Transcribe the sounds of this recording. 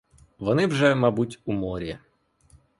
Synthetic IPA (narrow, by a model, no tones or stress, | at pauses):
ʋɔnɪwʒɛmabutʲumɔɾʲiɐ